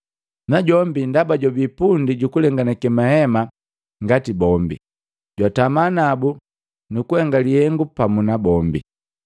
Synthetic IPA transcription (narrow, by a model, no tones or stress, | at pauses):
naɟɔmbindabaɟabipundiɟukulɛŋɡanakɛmahɛma | ŋɡatibɔmbḭ | ɟwatamanabu | nukuhɛŋɡalihɛŋɡupamunabɔmbḭ